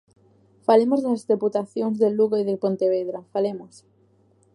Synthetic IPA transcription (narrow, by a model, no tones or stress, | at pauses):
falemoznazðeput̪aθjoŋzðeluɣoiðepont̪eβeðɾafalemos